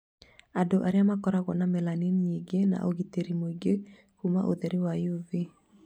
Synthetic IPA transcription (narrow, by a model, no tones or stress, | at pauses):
adoʔaɾeamakɔɾaɣɔnamɛlaninɲeɡena̰ʔoɣiteɾimoiɡe | kuma̰ʔoðɛɾiwajove